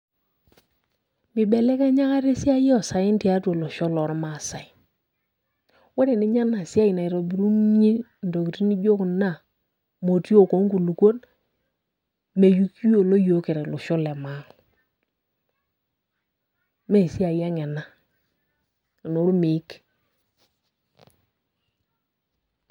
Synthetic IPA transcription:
mɪ˨bɛ˨lɛ˦kɛ˦ɲa˦ka˦ɾe˦si˦a˦jɔ˨sa˨jɪ˦n˦ti˨a˦to˨lo˨ʃɔ˦lɔ˨ɾma˨sa˨i˨˦ | wo˦ɾe˨ni˦ɲa˦na˨si˦a˦i˨na˨i˨ɾo˨bi˨ɾu˦nɲi˦ | n˨do˨ki˨ti˦ni˦d͡ʒo˦kna˦˨ | mo˨ti˦o˦˨ko˨˦ŋku˨lu˨ko˦n | me˨ju˦ki˦jo˨lo˦jo˦kɪ˨ɾɛ˨lo˨ʃɔ˦lɛ˨ma˨˦ŋ | me˦˨si˦a˨ja˦ŋɛ˨na˦˨ | no˨˦ɾmɪ˨˦k

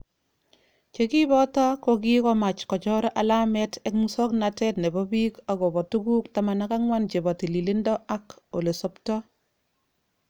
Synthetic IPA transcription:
t͡ʃe˨ki˦bɔ˦tɔ˦koki˦kɔ˦ma˨t͡ʃkɔ˨t͡ʃɔ˦ɾʔa˨la˦mɛ˦tɛkmusɔ˦knatɛ˦tne˨bɔ˦bi˦ka˨ɡɔ˨bɔ˨tu˦ɡu˦kta˨ma˨naka˦ŋwa˦nt͡ʃe˨bɔ˨ti˨li˨li˦ndɔ˦a˦ko˨le˨sɔ˦ptɔ˦

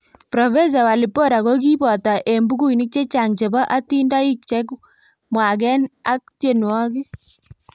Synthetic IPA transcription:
pɾɔ˨fɛ˦s̬a˨wa˨lɪ˨po˦ɾa˨ɣo˦k̬i˦bɔ˨ta˨ʔe˨mbu˦ɡu˦i˨nɪ˦k̚t͡ʃe˦t͡ʃa˨ŋt͡ʃe˨ba˦ʔa˦ti˦nda˦i˦k̚t͡ʃɛ˦k | mwa˨k̬ɛ˦na˦k̚tje˨nwɔ˦kɪ˦

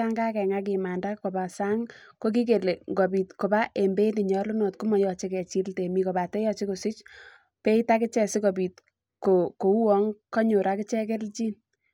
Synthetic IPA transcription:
a˦ŋɡa˦kɛ˨ŋa˦k̬ɪ˨ma˨nda˦ko˨ba˨sa˦ŋko˦k̬i˦k̬e˨le˨ŋɡo˨bi˨tko˨ba˦ʔe˨mbe˦ni˨ɲɔ˦lu˦no˨tkʊ˦mɔ˨jɔ˨t͡ʃe˦kɛ˨t͡ʃi˦lte˨mi˦ko˨ba˨tɛ˦jɔ˦t͡ʃi˦ku˨sɪ˦t͡ʃ | pe˦ita˦kɪ˦t͡ʃɛ˨sɪ˦ko˨bi˨t̚ | ko˨ko˨u˦wɔ˦ŋkɔ˦ɲʊ˨ɾa˦kɪ˦t͡ʃɛ˦ke˦lt͡ʃiː˦n

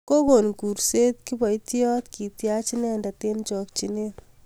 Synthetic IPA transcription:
ko˦ko˨nku˨ɾse˦t̪̚ki˦bɔ˨jti˦ɔ˦t̪ki˨tja˦t͡ʃi˦nɛ˦ndɐ˨te˦nt͡ʃɔ˨kt͡ʃi˨ne˦t

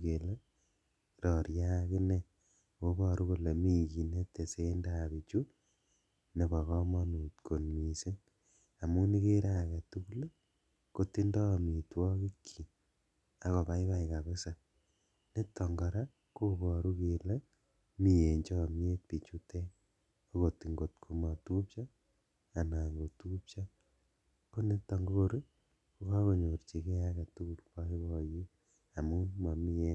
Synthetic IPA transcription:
ke˨le˦ | ɾɔ˨ɾja˦kɪ˦ne˦ | ko˦bɔ˨ɾu˦ku˦le˨mi˦ki˨ne˦te˨se˦nda˦βi˨t͡ʃu˦ | ne˨bɔ˨kɔ˦mɔ˦mi˨tko˨nmi˨se˦ | a˨mu˦ni˦ke˦ɾa˦˨kɛ˨tu˦ku˦le˦ | ko˦ti˦ndɔ˦˨mi˨twɔ˦ki˦kʰːi˨ | a˨kɔ˨pa˦i˦βa˦ika˨βe˦sa˨ | ne˦tɔ˨ŋɡɔ˨ɾa˦ | ko˦kɔ˨ɾu˦ke˨le˦ | mi˦˨je˨ɲd͡ʒɔ˦˨mje˦t̚pi˨t͡ʃu˦te˦ | o˦ko˨ti˨ŋɡo˨tkʰu˨ma˨tu˦pt͡ʃa˦ | a˨na˨ŋɡo˨tu˦pt͡ʃa˦ | po˦ne˦tɔ˨ŋɡo˦ko˦ɾe˦ | ko˦ka˦ko˨ɲo˨ɾt͡ʃi˨ke˦a˦ka˨tu˦ku˨lpa˦i˦kɔ˨ji˦ | a˨mu˦ma˨mi˦e˦

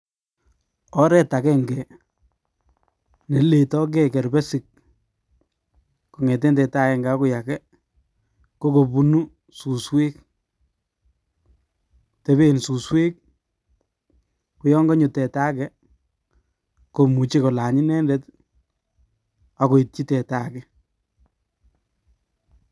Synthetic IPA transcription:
ɔ˦ɾɛ˨ta˨kɛ˦ŋɡɛ˨ | ne˨le˨tɔ˦k̬ɛ˦kɛ˨ɾbɛ˦sɪ˨k̚ | ko˨ŋɛ˨t̬ɛ˦ntɛ˨ta˦kɛ˨ŋɡɛ˨a˦ku˦ja˨kɛ˦ | ko˦ko˨bu˦nu˦ | su˨swe˦k | tɛ˦βe˦nsu˨swe˦k̚ | ku˨jɔ˦ŋɡɔ˦ɲu˨tɛ˨taː˦kɛ˦ | ko˨mu˨t͡ʃi˦ko˨la˨ɲi˦nɛ˦ndɛ˦t | a˨ko˨i˨t̚t͡ʃi˦tɛ˨ta˨kɛ˦

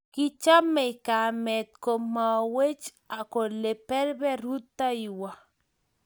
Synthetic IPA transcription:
kɪ˦t͡ʃa˦mːɛ˨ɪ˨ka˨mɛ˨t̪̚ko˨ma˨we˦t͡ʃ | a˨ko˨le˨pɛ˦ɾbɛ˦ɾu˦t̪ːa˦i˨wa˨

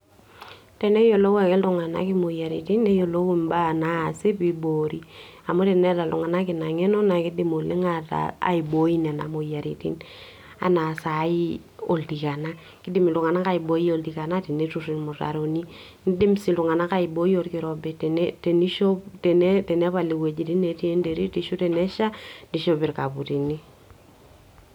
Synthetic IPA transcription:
tɛ˨ne˦jo˨lo˦we˨e˦ltu˦ŋa˨na̰˦ki˦mo˨ja˨ɾḭ˨ti˦ne˦jo˨lo˦wu˦mba˦˨naː˦˨si˦pi˦bo˨ɾi˦a˨mo˦te˨nɛ˦ta˨lṵ˨ŋa˨na˦ki˨na˨ŋe˦no˦na˨ki˦di˦mo˨li˦ŋa˦ta̰˨a̰˨i˨bo˨˦i˦na˨na̰˨mo˨ja˨ɾḭ˨tḭ˦n | a̰˨na˨sa˨i˦ | o˨ldi˨ka˨na˦ | kɪ˦dɪ˦mɪ˨lʊ˨ŋa˨na˦ka˨ɪbo˦i˦o˨ldika˨na˦te˨ne˦tu˦ri˨nmo˨ta̰˨ɾo˨ni˦ | nɪ˦dɪ˦msi˨lu˨ŋa˨na˦ka˨ɪ˨bo˦i˦o˦ɾkɪ˨ɾɔ˨bɛ˨tnte˨ni˦ʃo˦ptɛ˨netɛ˨ne˦pa˨li˨we˨d͡ʒi˨ti˦nːe˨ti˦e˦nde˨ɾi˦ti˨ʃu˦tɛ˨nɛ˦ʃa˦ni˨ʃo˦pɪ˨ɾka˨pu˨ti˨ni˦

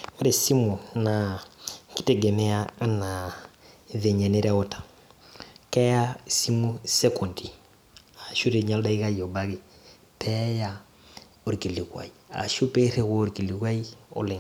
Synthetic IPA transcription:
wa˦ɾe˨si˦mu˨na˨ki˦tɛ˨ɡɛ˨mɛ˦a˦a˦na˨ | ðɛ˨ɲɛ˨nɛ˦ɾɛ˦ɔ˦tḁ˨ | kɛ˦ja˦si˦mu˦sɛ˦ku˨ndi˨ | a˨ʃu˦ɾe˨ɲa˦lda˦i˦ɣa˦jɔ˨ba˦ɣe˨ | pʰɛ˦ja˦ | o˨ɾi˨ki˨li˨kwa̰˨i˨a̰˨ʃu˦pe˦ɾe˦ɣo˦˨ɾi˨ki˨li˨kwa˦i˦ɔ̰˦le˨

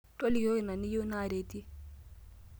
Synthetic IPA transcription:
tʼo˦li˨jo˦i˨na˨ni˦ju˦na˦˨ɾe˨ti˦

